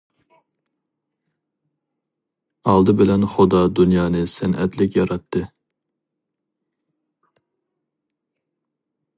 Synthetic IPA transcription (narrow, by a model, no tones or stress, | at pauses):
ɑlˠd̪ɨbɪlɛnχod̪ɑd̪unjɑːnɨsɛnɛ̰t̪lɪkʲjɑɾɑt̪ʰːɨ